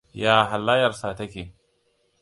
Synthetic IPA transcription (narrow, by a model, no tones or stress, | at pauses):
jaːɦalːaːjɑɾˤsat̪aki